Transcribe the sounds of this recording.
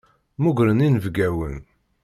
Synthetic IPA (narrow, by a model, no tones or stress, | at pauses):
muɡɾəninvɡæwə̰n